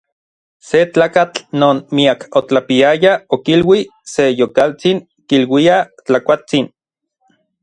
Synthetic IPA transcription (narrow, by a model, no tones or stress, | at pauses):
set͡ɬaːkat͡ɬnoːnmiakot͡ɬapiajaokilwisejokalt͡siŋ | kilwiat͡ɬakʷat͡sin